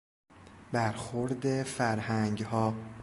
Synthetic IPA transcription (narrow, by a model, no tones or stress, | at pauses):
bæɾxoɾd̪efæɾhæŋɡhɒː